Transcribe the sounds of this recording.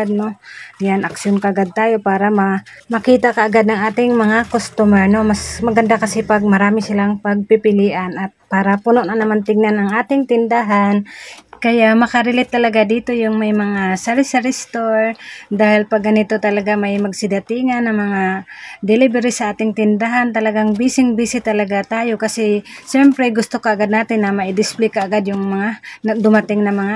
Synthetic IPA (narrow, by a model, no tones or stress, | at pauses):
ad̪̚nojanʔɐkʃjonkaʔaɡad̪̚t̪aːjo̞paːɾɐmɐ | mɐkiːt̪akɐʔːɡad̪̚nɐŋʔaːt̪ɪŋmɐŋakost̪umɛɹno̞masmɐɡɐnd̪akɐsɛpɐɡ̚mɐɾaːmɪsɪlaŋpɐɡ̚pɪpɪliːʔanʔɐt̪̚paːɾɐpunoʔnɐnɐmant̪ɪɡ̚nanɐŋʔaːt̪ɪŋt̪ɪnd̪aɦankɐjaʔmɐkɐɾɪlɪt̪ːɐlɐɡad̪iːt̪o̞jʊŋmajmɐŋasaɾɪsaɾɪst̪oɾd̪aːhɪlpɐɡːɐnɪt̪o̞t̪ɐlɐɡamajmɐɡsɪd̪ɐt̪iŋanːɐŋmɐŋad̪ɛlɪbɛɾisɐʔaːt̪ɪŋt̪ɪnd̪aɦant̪ɐlɐɡaŋbisɪŋbiːsɪt̪ɐlɐɡat̪aːjo̞kɐsɛʃɛmpɾɛɡʊst̪okaʔːɡad̪̚naːt̪ɪnːɐmɐʔɪd̪ɪsplikaːɡad̪jʊŋmɐŋanɐd̪ʊmat̪ɪŋnɐmɐŋa